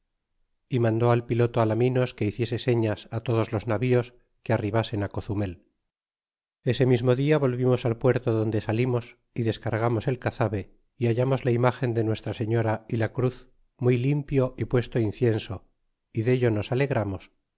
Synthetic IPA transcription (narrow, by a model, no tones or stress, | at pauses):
imãnd̪o̞alpilo̞t̪oalamĩno̞ske̞iθje̞se̞se̞ɲasat̪o̞ð̞o̞zlo̞znaβio̞s | keariβase̞nako̞θume̞l | e̞se̞mizmo̞ðiaβo̞lβimo̞salpwe̞ɾt̪oðo̞nd̪e̞salimo̞s | iðe̞skaɾɣamo̞se̞lkaθaβe̞ | iaʝamo̞zlaimaxe̞nd̪e̞nwe̞st̪ɾase̞ɲo̞ɾailakɾuθ | mujlimpjo̞ʔipwe̞st̪oinθje̞nso̞ | iðe̞ʎono̞sale̞ɣ̞ɾamo̞s